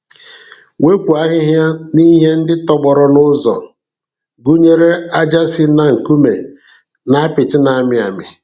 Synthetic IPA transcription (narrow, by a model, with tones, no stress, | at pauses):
we˦kʷu˨a˦ɦɪ˦ɦja˦ni˦ɦe˦n̩˦dɪ˦tɔ˦ɡ͡bɔ˨ɾɔ˦nʊ˦zɔ̰˨ | ɡu˦ɲe˦ɾe˦a˦d͡ʒa˦sɪ˦na˨ŋ̩˨ku˦mḛ˨ | na˦pɪ˨tɪ˦na˨˦mɪ˦a̰˨mɪ̰˨